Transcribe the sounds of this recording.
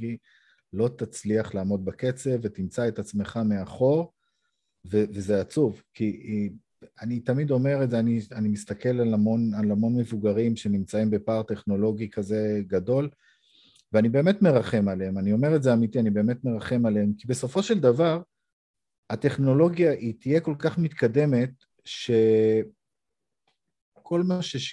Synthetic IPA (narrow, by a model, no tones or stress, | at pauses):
i | lo̞t̪at͡sliaχlaːmo̞d̪̚bake̞t͡se̞vet̪imt͡saet̪at͡sme̞χameaχo̞ʁ | vevezeat͡suvki | anit̪amid̪o̞me̞ʁetzeanianimist̪ake̞lalamo̞nalamo̞nme̞vuɡaʁimʃe̞nimt͡saimbe̞paʁt̪e̞χno̞lo̞ɡikaze̞ɡad̪o̞l | veanibe̞ːme̞t̪me̞ʁaχe̞maleemanio̞me̞ʁetzeamit̪ianibe̞eːmet̪me̞ʁaχe̞maleemkibe̞so̞fo̞ʃeld̪avaʁ | at̪e̞χno̞lo̞ɡjaʔitije̞ko̞lkaχmit̪kad̪e̞me̞t̪̚ | ʃe̞ | kʰo̞lmaʃe